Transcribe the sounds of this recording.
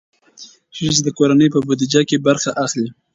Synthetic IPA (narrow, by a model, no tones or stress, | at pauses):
ʃisd̪əkoɾanəjpəbʊd̪id͡ʒakebaɾxaʔaxli